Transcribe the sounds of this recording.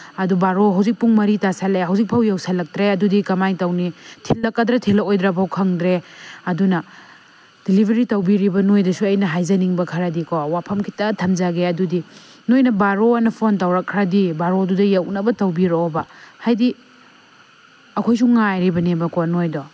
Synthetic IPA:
ɐdubaɾoɦawzik̚puŋmɐɾitasalejɦɐwzik̚pʰɐwjɐwsɐlɐk̚tɾeɐdudikɐmajtɐwnitʰilːɐkːɐdɾɐtʰilːɐkojdɾɐpʰɐwkʰɐŋdɾeɐdunɐ | d̥ilibʱɐɾitɐwbiɾibɐnojdɐsuɐjnɐɦajzɐniŋbɐkʰɐɾɐdikʰowapʰɐmkʰi̥tɐtʰɐmzaɡeɐdudi | nojnɐbaɾoɐnɐpʰontɐwɾɐkʰːɾadibaɾodudɐjɐwnɐbɐtɐwbiɾowɔbɐhajdi | ɐkʰojsuŋːajɾibɐnebɐkonojdɔ

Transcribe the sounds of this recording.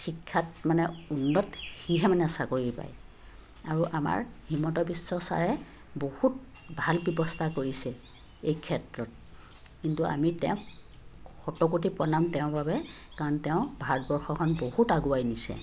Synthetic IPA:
xikʰːatmanɛunːɔtxiɦɛmanɛsakoɹipa̰j | aɹuʔama̰ɹhimɔtɔbisːɔsa̰ɹɛ | bohut̚ | bʱalbjɔbɔstʰakoɹisɛ | ejkʰɛtɹɔt̚ | kintua̰mitɛʊ̃ | xɔtɔkut̬ipɔnamtɛʊ̃babɛkaɹɔntɛʊ̃bʱatbɔɹxɔkʰɔnbohutaɡuajnisɛ̰

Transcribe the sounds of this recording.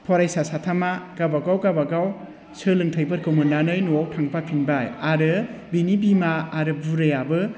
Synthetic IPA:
pʰɔɾajsasatʰamaɡ̥abaɡawɡabaɡaw | sɯlɯŋtʰajbɯɾkʰɯmɯnanɯjnuawtʰaŋpʰapʰinbajaɾɯbinibimaːɾɯbuɾɯjabɯ

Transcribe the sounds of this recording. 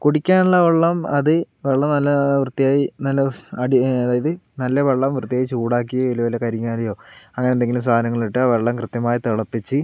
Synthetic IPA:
kuɽikʲːaːnuɭːɐʋeɭːɐmɐðɨ | ʋeɭːɐmnɐlːɐʋrɨt̪ːijaːjinɐlːɐɐɽiɐðaːjɐðɨnɐlːɐʋeɭːɐmʋrɨt̪ːijaːjit͡ɕuːɽaːk̬ːijɐilɐʋɐlekɐɾiŋːaːlɐjo̞ːɐŋːɐneendeŋɡilums̬aːɐnɐŋːɐɭiʈːɨɐʋeɭːɐmkrɨt̪jɐmaːjit̪iɭɐpːit͡ɕːɨ

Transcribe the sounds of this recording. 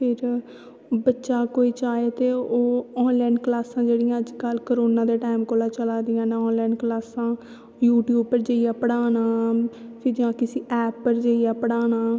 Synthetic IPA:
pʰɪɾ | bətːʃaːkoːiːt͡ʃaːeːt̪eːoːɔːnlɛːnklaːsãːd͡ʒeːɽijãːəd͡ʒkəlkəɾoːnãːd̪eːʈaːmkoːlaːt͡ʃəlaːd̪ɪjãːnãɔːnlɛːnklaːsãː | juːʈjuːb̚pəɾd͡ʒəːijaːpəɽaːnaːpʰɪɾd͡ʒãːkɪsiːʔɛːpːəɾd͡ʒəijaːpəɽaːnaː

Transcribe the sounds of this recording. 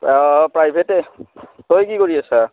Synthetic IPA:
pɹajbʱetetojkikoɹiasa

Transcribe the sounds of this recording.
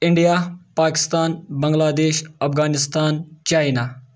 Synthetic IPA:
ɪɳɖijaːpaːkɪ̥st̪aːnbɐŋɡlaːd̪eːʃɐpɡaːnɪst̪aːnt͡ʃaːjnaː

